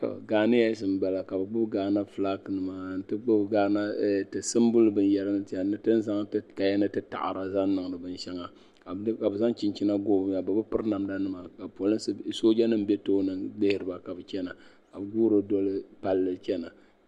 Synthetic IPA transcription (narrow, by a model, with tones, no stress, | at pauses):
ka̰˨ɡaː˨nɨ˦ja˦sɨ˨m˨ɡ͡ba˨la˨ka˨bɨ˨ɡ͡bʊ˦bɡaː˨na˦fla˦knɨ˨ma˨n̩˨˦tɨ˦ɡ͡bɨ˦bɡaː˦na˦˨tɨ˨sɨ˦m˦bʊ˦lɨ˦bɨ˨n˦jɛ˦ɾa˦nɨ˦tja˨nɨ˦tɨ˦n˦za˦ŋ˦ka˨ja˦nɨ˦tɨ˦ta̰˨ʔa̰˨ɾa˨za˦n˦nɨ˨ŋ˨nɨ˨bɨ˨n˦ʃɛ˦ŋa˨ | ka˨˦ka˨bɨ˨za˦ŋ˦t͡ʃi˨nt͡ʃi˦na˦ɡoː˦bm˦ja˨bɨ˨bɨ˦pɨ˦ɾna˨mda˦nɨ˦ma˨ka˨po˨lɨ˦ssoː˦d͡ʒa˦nɨ˦m˦be˦toː˦nɨ˨lɪ˦hɪ˨ɾɨ˨˦ba˨ka˨bɨ˨t͡ʃɛ˦na˨ | ka˨bɨ˨ɡuː˦ɾo˦dɔ˦lɨ˦pa˨lːɨ˨˦t͡ʃɛ˦na˨